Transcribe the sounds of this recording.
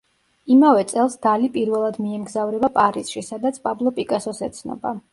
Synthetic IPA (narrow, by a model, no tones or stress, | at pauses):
imavɛt̪sʼɛlˠsd̪̥alipʼiɾvɛlˠad̪miɛmɡzavɾɛbapʼaɾisʃisad̪at̪sʰpʼablˠɔpʼikʼasɔsɛt̪sʰnɔ̰ba